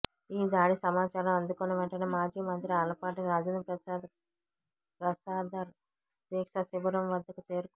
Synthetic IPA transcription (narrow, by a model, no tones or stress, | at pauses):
iːd̪aːɽisɐmaːt͡ʃaːɾɐmɐnd̪ukoːneʋɛɳʈɐnɐmaːd͡ʒiːmɐnt̪ɾiɐlɐpaːʈiɾaːd͡ʒɐnɐpɾɐsaːd̪ | pɾɐsaːd̪aɾ | d̪eːkʂɐsiʋɐɾɐmʋɐd̪ːɐkut͡ʃeːɾuk